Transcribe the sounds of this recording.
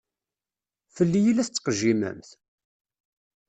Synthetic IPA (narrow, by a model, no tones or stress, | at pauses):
θəlːijilæθt͡sːqəʒimə̰mθ